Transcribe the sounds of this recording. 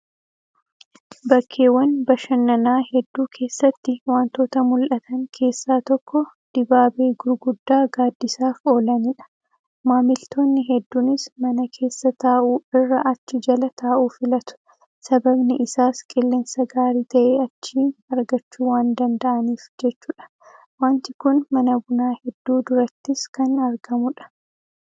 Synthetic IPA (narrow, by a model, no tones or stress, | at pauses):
bɐkʰːe̞ːwɐnbɐʃɐnːɐnaːhɛd̪ːuːkʰe̞ːsːɐt̪ːɪwaːnt̪o̞ːt̪ɐmʊlʔɐt̪ɐŋkʰe̞ːsːaːt̪ɔkːɔ | d̪̥ɪbaːbeːɡʊɾɡʊd̪ːaːɡaːd̪ːɪsaːfo̞ːlɐniᶑɐ̥ | maːmɪlt̪ʰo̞ːnːɪɦɛd̪ːuːnɪsmɐnɐkʰe̞ːsːɐt̪aːʔuːɪrːɐʔɐt͡ʃːɪd͡ʒɐlɐt̪ʰaːʔuːfɪlɐt̪ʊ̥ | sɐbɐbnɪʔɪsaːskʼɪlːensɐɡaːɾiːt̪ɐʔeːɐt͡ʃːiːɐɾɡɐt͡ʃːuːwaːnd̪ɐnd̪ɐʔɐniːfd͡ʒɛt͡ʃːuːᶑɐ̥ | waːnt̪ɪkʊnmɐnɐbʊnaːhɛd̪ːuːd̪ʊɾɐt̪ːɪskɐnɐɾɡɐmʊᶑɐ̥